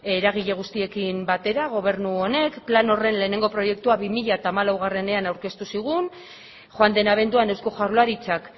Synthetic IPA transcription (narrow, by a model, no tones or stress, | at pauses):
e̞ɾaɣ̞iʎe̞ɣ̞ust̪ie̞kimbat̪e̞ɾaɣ̞o̞β̞e̞ɾnuo̞ne̞kplano̞re̞nle̞ːne̞ŋɡo̞pɾo̞je̞k̚t̪uaβimiʎaet̪aːmalawɣ̞are̞ne̞anawɾke̞st̪usiɣ̞un | ʝoand̪e̞naβ̞e̞nd̪uane̞wsko̞ʝaɾloaɾit͡sak